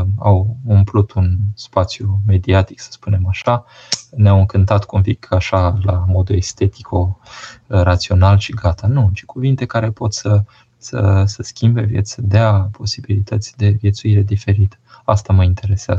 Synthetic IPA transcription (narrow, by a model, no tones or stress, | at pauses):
a̰wumplut̪ʰunspat̪sjume̞d̪iat̪i̥ksə̥spune̞maʃa | neawɨŋkɨnt̪at̪kumpikʰaʃalamo̞d̪ue̞st̪e̞t̪i̥kʰo̞ | ɾat̪sio̞nalʃiɡat̪anut͡ʃi̥kuvint̪e̞kaɾe̞po̞t̪sə | sə̰səskʲimbe̞vjḛt̪sʲsəd̪eapʰo̞sibilit̪ət̪sʲd̪e̞vje̞t̪suiɾe̞d̪ife̞ɾit̪ə̥ | a̰st̪aməint̪e̞ɾe̞seazə